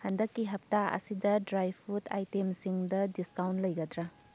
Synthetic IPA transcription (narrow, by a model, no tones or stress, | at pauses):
hɐndɐkːiɦɐp̚taɐ̰sidɐdɾajpʰutʰa̰jtemsiŋdɐdiskawntlɐjɡɐdɾa